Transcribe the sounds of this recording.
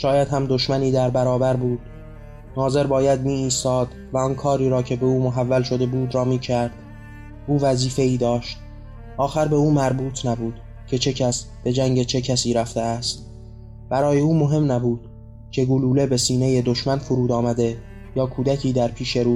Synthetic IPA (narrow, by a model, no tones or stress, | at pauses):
ʃɒːjæd̪hæmd̪o̞ʃmæniːd̪æɾbæɾɒːbæɾbuːd̪̥ | nɒːze̞ɾbɒːjæd̪̚miːiːst̪ɒːd̪ | væɒːnkʰɒːɾiːɾɒːcʰe̞be̞uːmoɦævːælʃo̞d̪e̞buːd̪ɾɒːmiːcʰæɾd̪̥ | ʔuːvæziːfe̞iːd̪ɒːʃt̪̚ | ʔɒːxæɾbe̞uːmæɾbuːt̪ʰnæbuːd̪̥ | cʰe̞t͡ʃʰe̞cʰæsb̥e̞d͡ʒæŋɟe̞t͡ʃʰe̞cʰæsiːɾæft̪e̞æst̪ | b̥æɾɒːje̞uːmo̞ɦe̞mnæbuːd̪̥̚ | cʰe̞ɡuluːle̞be̞siːne̞je̞d̪o̞ʃmænfuɾuːd̪ɒːmæd̪e̞ | jɒːkʰuːd̪ækʰiːd̪æɾpʰiːʃe̞ɾuː